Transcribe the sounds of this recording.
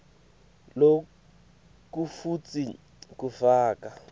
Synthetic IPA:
lo | k̬ʼufut͡sʼi | k̬ʼufaːk̬ʼa

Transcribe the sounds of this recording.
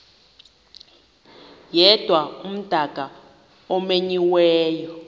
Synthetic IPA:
jɛd̥ʱwaum̩d̥ʱaɡ̥ʱa | ɔmeɲiwɛːjɔ

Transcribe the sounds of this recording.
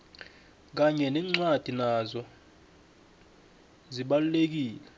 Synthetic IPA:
k̬aɲɛnɛŋ͡ǀwad̥ʱinazɔ | ziɓalulek̬iːlɛ

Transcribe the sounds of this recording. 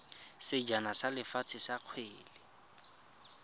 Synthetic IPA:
sɪd͡ʒanasalɪfat͡sʰɪsaq͡χʰweːlɪ

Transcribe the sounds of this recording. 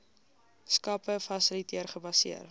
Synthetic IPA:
skɐpəfɐsəlitiərχəbɐsḭər

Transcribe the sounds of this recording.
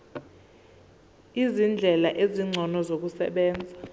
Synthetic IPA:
izind͡ɮʱɛlaʔeziŋ͡ǀʱɔnɔzok̬usɛ̰ɓɛːnd͡zʱa

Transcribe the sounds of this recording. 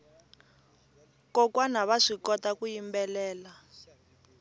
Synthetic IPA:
kɔkwanaβaʂikɔtakujimbɛlɛːla

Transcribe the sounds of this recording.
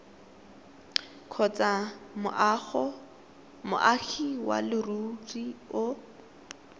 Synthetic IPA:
kʰɔt͡sʼamɔ | mʊ̰ʔaxʰiwa̰lɪruriʊ

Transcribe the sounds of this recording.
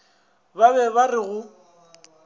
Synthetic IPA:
baβɛβarɪɣʊ

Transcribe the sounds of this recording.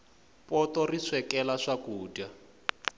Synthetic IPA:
pɔtɔriswɛkɛlaʂakuːda

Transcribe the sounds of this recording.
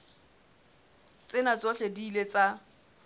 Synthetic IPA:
t͡sʼɪnat͡sʼɔɬediːlet͡sʼa

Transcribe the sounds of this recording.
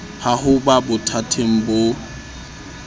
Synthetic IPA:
hahʊbabʊtʰatʰeŋ̩bo

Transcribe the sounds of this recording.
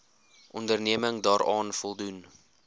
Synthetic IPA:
ʔɔndərniəməŋdɑːɾɑːnfɔlˠdun

